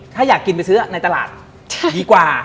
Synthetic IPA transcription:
t̪ʰaː˥˩jaː˨˩kːi˧npa˧jsɯ˦˥ɐ˩na˧jt̪a˧la̰ː˨˩t̪̚ | t͡ɕdiː˧kwaː˨˩

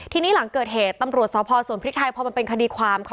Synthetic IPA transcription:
t̪ʰiː˧niː˦˥la˩˦ŋkɤː˨˩t̪̚ɦeː˨˩t̪ːa˧mɾu˨˩ət̪̚sɔː˩˦˥pʰɔː˧su˨˩˦npʰɾt̪̚ʰa˧jpʰɔ˧ma˧npe˧nkʰa˧diː˧kʰwaː˧mkʰ

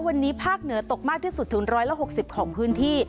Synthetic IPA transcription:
wa˧nːiː˦˥pʰaː˥˩k̚nɯ˩˦ɐt̪o˨˩k̚maː˥˩k̚t̪ʰiː˥˩su˨˩t̪ʰːɯ˨˩˦ŋɾɔː˦˥jla˧˥ɦo˨˩k̚si˨˩p̚kʰɔː˩˦ŋpʰɯː˦˥nt̪ʰiː˥˩

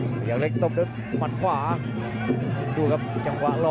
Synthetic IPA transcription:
jaː˨˩k̚le˧˥˩k̚t̪o˧˥˨do˧˦˩ | ma˧˥nkʰwaː˨˩˦ | t̪u˧ka˧˩p̚t͡ɕa˧ŋkwaː˨˩˦lɔː˧

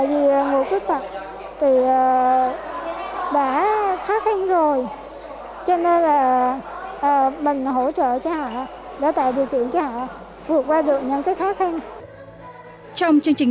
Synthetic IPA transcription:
t̪a̰ː˧˨jvi˨˩ə˨˩ŋu˨˩əkwi˦˥ək̚t̪ə˨˩p̚ | t̪ʰi˨˩ʔəː˨˩ | ɓaː˧˩˦xaː˨˦˥xa˧ŋ̟zo˨˩j | t͡ɕɔ˧ne˧nlaː˨˩ | ʔəː˨˩mï˨˩ŋ̟ɦo˧˥t͡ɕə̰ː˧˨t͡ɕɔ˧hɔ̰ː˧˨ | ɗa̰˧˥t̪a̰ː˧˨jɗi˨˩əwt̪k̪ḭ˧˨əŋt͡ɕɔ˧˦ɔ̰ː˧˨ | vɨ˨˩ək̚kwaː˧ɗɨ˨˩ək̚ɲə̰˧˥˦ŋkaː˨˦jxaː˨˦˥xa˧ŋ̟ | t͡ɕɔ˧wŋ͡mt͡ɕɨ˧əŋt͡ɕï˨˩ŋ

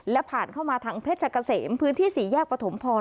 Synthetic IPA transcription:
lɛ˦˥pʰaː˨˩nkʰa˥˩wmaː˧t̪ʰaː˧ŋpʰeː˦˥˩t̪̚t͡ɕʰa˧˩ka˧seː˩˦mpʰɯː˦˥nt̪ʰiː˥˩siː˩˦jaː˥˩k̚pɾa˧t̪ʰo˩˦mpʰɔː˧

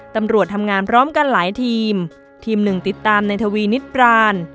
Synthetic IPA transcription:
t̪a˧mɾu˨˩ət̪ʰːa˧mŋaː˧npʰɾɔː˦˥mka˧nlaː˩˦jt̪ʰiː˧m | t̪ʰiː˧mnɯ˨˩ŋt̪i˨˩t̪ːaː˧mna˧jt̪ʰa˧wiː˧ni˦˥t̪̚pɾaː˧n

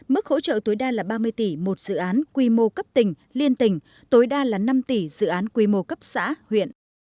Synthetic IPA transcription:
mɨ˦˥k̚ho̰˧˥t͡ɕə̰ː˧˨t̪o˨˦jɗaː˧laː˨˩ɓaː˧mɨ˧əjt̪i˧˩mo˨˩t̚z̥ɨ̰˧˨ʔaː˨˦nkwi˧mo˧kə˦˥p̚t̪ï˨˩ŋ̟ | li˧ənt̪ï˨˩ŋ̟ | t̪oː˨˦jɗaː˧laː˨˩na˧mt̪i˧˩zɨ̰˧˨ʔaː˨˦nkwi˧˩mo˧˩kə˦˥p̚sa̰ː˧˥hwḭ˧˨ənʔ

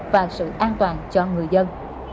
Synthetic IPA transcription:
vaː˨˩sɨ̰˧˨ʔaː˧nt̪waː˨˩nt͡ɕɔ˧ŋɨ˨˩əjzə˧n

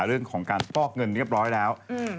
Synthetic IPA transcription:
ɾɯ˥˩əŋkʰɔː˩˦ŋkaː˧npɔː˥˩k̚ŋɤ˧nːi˦˥˩p̚ɾɔː˦˥jlɛː˦˥w

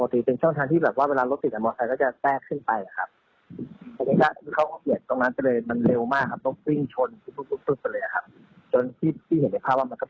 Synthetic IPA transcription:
mɔː˧t̪iː˧˩pe˧nt͡ɕʰɔ˥˩ŋt̪ʰa˧ŋt̪ʰiː˥˩bɛː˨˩p̚waː˥˩weː˧laː˧lo˦˥t̪ːi˨˩t̪̚ʔa˧mɔː˧sa˧jkɔ˥˩t͡ɕa˨˩t̪ɛː˥˩kʰːɯ˥˩npa˧ja˨˩kʰa˦˥p̚ | ʔa˧niː˧˥ka˥˩˧kʰa˦˥˩wkɔ˥˩ʔi˨˩ənt̪o˧ŋna˦˥nka˥˩lɤː˧jma˧nle˧wmaː˥˩kʰa˦˥p̚lo˧˥k̚wi˥˩ŋt͡ɕʰo˧nkʰːluː˦˥˩k̪̚u˦˥˩pɯ˥˩k̚pa˧lɤː˧jʔa˨˩a˦˥p̚ | t͡ɕo˧nt̪ʰiː˥˩t̪ʰiː˥˩he˩˦nda˧jpʰaː˥˩waː˥˩ma˧nkɔ˥˩

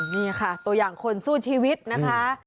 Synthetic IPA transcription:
niː˥˩kʰa˥˩t̪u˧ɐjaː˨˩ŋkʰo˧nsuː˥˩t͡ɕʰiː˧wi˦˥t̪̚na˦˥kʰa˦˥

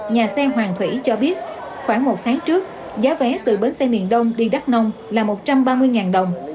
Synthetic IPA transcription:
ɲaː˨˩sɛ˧ɦwaː˨˩ŋt̪ʰwḭ˧˩t͡ɕɔ˧ɓi˦˥ət̚ | xwaː˧˩ŋmo˨˩t̚t̪ʰaː˨˦ŋt͡ɕɨ˦˥ək̚ | zaː˨˦vɛ˨˦t̪ɨ˨˩ɓə˨˦nsɛ˧mḭ˧˨ənɗə˧wŋ͡mɗi˧ɗa˦˥k̚nə˧wŋ͡mlaː˨˩mo˨˩t̚t͡ɕa˧mɓaː˧mɨ˧əjŋaː˨˩nɗə˨˩wŋ͡m

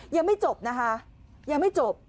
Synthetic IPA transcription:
jaː˨˩ma˥˩jt͡ɕo˨˩p̚na˦˥kʰa˦˥ | jaː˨˩ŋma˥˩jt͡ɕo˨˩p̚

